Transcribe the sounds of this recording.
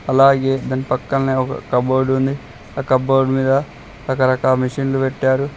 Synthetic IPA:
ɐlaːɡeːd̪ɐnipɐkːɐlneːɔkɐ̰kɐboːɾɖund̪i | ɐkɐboːɖmiːd̪ɐ | ɾɐkɐɾɐkaːmiʂiːnlupɛʈːaːɾu

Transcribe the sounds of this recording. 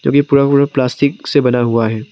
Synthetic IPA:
kõ̰ːkipuːɾapuːɾaplaːsʈɪksebɐnaɦuaɦɛː

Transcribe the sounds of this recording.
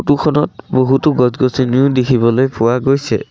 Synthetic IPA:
tukʰɔnɔt̚boɦutʊɡɔzɡosiniʊdekʰibɔlojpʊwaɡojsɛ̰

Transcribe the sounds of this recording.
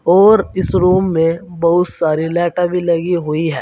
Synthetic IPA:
ɔːɾɪsɾuːmːẽbɐɦʊt̪saːɾilɛːʈabʱilɐɡiɦʊiɦɛː

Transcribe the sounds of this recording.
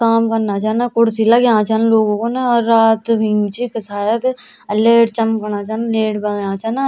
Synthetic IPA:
kaːmkɐɾnat͡ʃaːnakʊɽsilaɡjãːt͡ʃaːnloːɡõkonaɔːɾːaːt̪ʋʱɪ̃ŋɡt͡ʃikɐsaːjat̪ | ɐleːʈt͡ʃɐmkɐɾnat͡ʃaːnleːʈbɐljãːt͡ʃaːna

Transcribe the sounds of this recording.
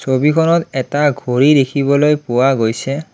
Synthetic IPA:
sobikʰɔnɔtɛtaɡʱoɹidekʰibɔlojpʊwaɡojsɛ

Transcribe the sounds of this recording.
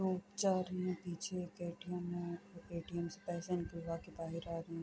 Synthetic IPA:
ɾoːpt͡ʃaːɾẽpiːt͡ʃʰekeːʈijəmẽɔɾeːʈijəmsepɛːsenkiʋaːkibaːɦɪɾaːɾɐĩ

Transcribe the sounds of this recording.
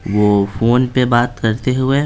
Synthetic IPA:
ʋofoːnpebaːt̪kɐɾt̪eɦʊe

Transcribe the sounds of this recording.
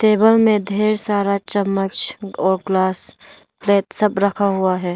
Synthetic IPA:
t̪eːbəlmẽd̪ʱeːɾsaːɾat͡ʃəmːət͡ʃɔːɾɡlaːs | pleːt̪səbɾɐkʰaɦʊaɦɛː

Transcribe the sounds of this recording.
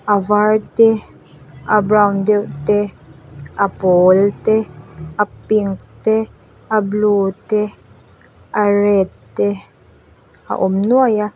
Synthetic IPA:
avaɹt̪e | abɾawnd̪ewʔt̪e | apoːlt̪eapiŋkt̪e | abluːt̪e | aɾet̪ː | e | a̰ʔomnuaja

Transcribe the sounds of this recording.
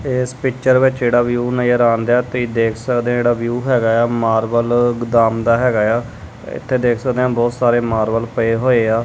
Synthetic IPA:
ɪspɪkt͡ʃəɾʋɪt͡ʃd͡ʒeːɽaːʋjuːnajəɾãːnd̪aːt̪iːd̪eːkʰsəkd̪ẽãeːɽaːʋjuːɦɛːɡaːaːmaːɾʋəlɡd̪aːmd̪aːɦɛːɡaːjaː | ɪ̰t̪ʰːeːd̪eːkʰsəkd̪eːãːbɔːt̪saːɾeːmaːɾʋəlpəeːɦoːeːaː

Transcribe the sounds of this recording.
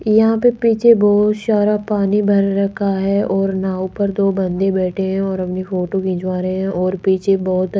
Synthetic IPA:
jɐɦãpepiːt͡ʃʰebɔːɦt̪ʃaːɾapaːnibʱɐɾːɐkʰaɦɛːʔɔːɾnaːʊpəɾd̪oːbɐ̃nd̪ebɛːʈʰeɦɛ̃ɔːɾɐpnifoːʈokĩːd͡ʒʋaːɾəɦeɦɛ̃ʔɔːɾpiːt͡ʃʰebɔːt̪

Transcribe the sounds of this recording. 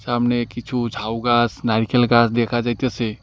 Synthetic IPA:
saːmnekɪt͡ʃʰud͡ʒʱaːuɡaːsnaɾkʰəlɡaːsd̪ekʰad͡ʒat̪ese

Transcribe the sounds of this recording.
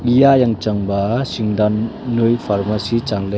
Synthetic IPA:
lijajaŋt͡ʃaŋbasiŋdanːujpʰaɾmasit͡ʃaŋle

